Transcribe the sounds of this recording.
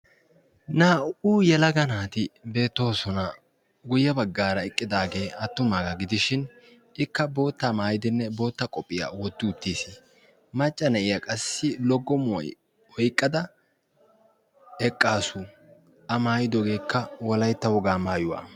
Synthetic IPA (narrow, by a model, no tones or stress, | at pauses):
naːʔuːjɛlɐɡɐnaːt̪ɪbe̞ːt̪ːo̞ːsɔnɐ | ɡʊjːɐbɐɡːaːɾɐɛkʼːɪd̪aːɡe̞ːɐt̪ːʊmaɡɐɡɪd̪ɪʃɪn | ʔɪkːɐbo̞ːt̪ːamaːjɪd̪ɪnːɛbo̞ːt̪ːɐkʼɔpʼːɪja̰wɔt̪ːɪʊt̪ːiːsi | mɐt͡ʃʼːɐnɐʔɪjɐkʼɐsːɪlɔɡːɔmʊwɔ̰j | hɔjkʼːɐd̪ɐ | ɛkʼːaːsʊ | ʔɐmaːjɪd̪ɔɡe̞ːkːɐwɔlɐjt̪ːɐwɔɡaːmaːjʊwa̰ː